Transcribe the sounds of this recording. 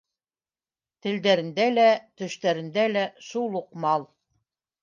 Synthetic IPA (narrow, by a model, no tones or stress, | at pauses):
t̪ɘ̆ld̪æɾɘ̆nd̪ælæt̪ɵ̆ʃt̪æɾɘ̆nd̪ælæʃulˠuqmɑlˠ